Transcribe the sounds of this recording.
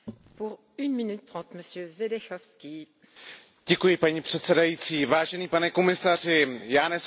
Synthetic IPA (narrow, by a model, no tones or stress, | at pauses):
puʁ | ynminyt̪ːʁɑ̃t̪məsjøzed̪ɛʃɔfskʲi | ɟ̥ɛkujɪpaɲipr̝̥ɛt̪sɛdajiːt͡siːvaːʒɛniːpanɛkomɪsar̝ɪjaːnɛs